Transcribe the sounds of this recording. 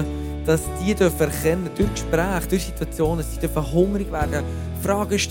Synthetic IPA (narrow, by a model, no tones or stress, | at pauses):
d̥ɑsd̥iəd̥œɾfəɛɾχɛnːəd̥ʏɾkʃpɾæːχd̥ʊɾsitwɑt͡sjoːndɑsdiːd̥œɾfəɦʊŋɾiɡvæːɾɡə | fɾɑːɡ̥əʃt